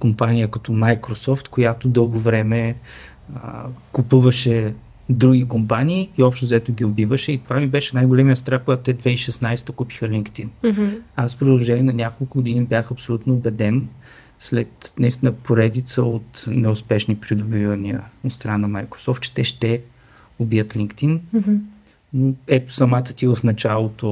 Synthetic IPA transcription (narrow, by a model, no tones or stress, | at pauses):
kompanʲijəkɐt̪ɔmajkɾosɔft̪kojat̪od̪ɤlˠɡovɾɛmɛ | kupuvəʃɛ | d̪ɾuɡʲikompaniːiɔpʃt̪ozɐɛt̪oɡʲiobivəʃɛit̪ovamibɛʃɛnajɡolɛmiəst̪ɾafkoɡat̪ot̪ɛd̪vɛiʃɛsnajst̪əkupi̥xəlʲiŋkt̪inaspɾod̪lˠoʒɛnʲiɛnɐnʲakolˠkʊɡod̪inibjaxɐpsolʲut̪noːbɛd̪ɛn | slɛt̪nɐist̪inəpoɾɛd̪it̪səot̪nɛʊspɛʃnipɾid̪obivəniə̰ot̪st̪ɾanɐmajkɾo̥sɔft̪̚t͡ʃɛ̥t̪ɛʃt̪ɛ | obijət̪lʲiŋkt̪in | noɛt̪ʊ̥sɐmat̪ət̪ʲivəfnɐt͡ʃalˠot̪o